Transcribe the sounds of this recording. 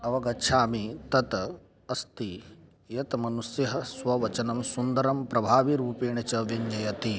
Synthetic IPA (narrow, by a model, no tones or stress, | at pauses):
ɐʋɐɡɐʃʰaːmit̪ɐt̪ | ɐst̪i | jɐt̪mɐnusjɐɦɐsʋɐʋɐt͡ʃɐnɐmsund̪ɐɾɐmpɾɐbʱaːʋiɾuːpeːɳɐt͡ʃɐʋjɐɲd͡ʒɐjɐt̪i